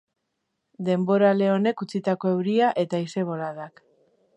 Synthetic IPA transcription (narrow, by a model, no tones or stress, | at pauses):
d̪e̞mbo̞ɾale̞o̞ne̞kut͡sit̪ako̞e̞wɾiaʔe̞t̪aise̞β̞o̞laðak